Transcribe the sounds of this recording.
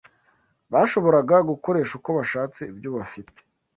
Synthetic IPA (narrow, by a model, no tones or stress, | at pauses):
βaːʃo̞βo̞ɾaɡaɡuko̞ɾe̞ːʃukoβaʃaːt͡sebjoβafite̥